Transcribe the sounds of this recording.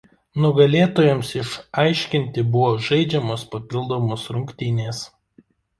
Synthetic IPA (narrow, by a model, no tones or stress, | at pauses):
nʊɡɐlʲeːt̪oːjɛmsɪʃɐɪʃʲkʲɪnʲt̪ʲɪbʊʋoːʒɐɪd͡ʒʲɛmoːspɐpʲɪlˠd̪oːmoːsɾʊŋʲkʲt̪ʲɪnʲeːs